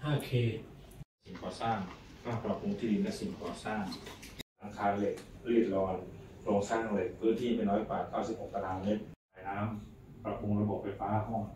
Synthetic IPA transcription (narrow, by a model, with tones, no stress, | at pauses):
haː˥˩kʰeː˧si˨˩˦ŋkɔː˨˩saː˥˩ŋkaː˥˩pɾa˧pʰu˧ŋt̪ʰiː˥˩d̪i˧nlɛ˦˥si˨˩˦ŋkɔː˨˩saː˥˩ŋʔa˧ŋkʰaː˧nle˨˩k̚ɾiː˥˩t̪̚lɔː˧nkʰɾoː˧ŋsaː˥˩ŋle˨˩k̚pʰɯː˥˩˨nt̪ʰiː˥˩pa˧nɾɔː˦˥jkwaː˨˩kaː˥˩wsi˨˩˦p̚ho˨˩k̚t̪a˧laː˧me˦˥t̪̚maː˨˦jnaː˦˥m | pɾa˧pʰu˧ŋɾa˧bo˨˩p̚fa˧jfaː˦˥˧ɦɔ˥˩ŋ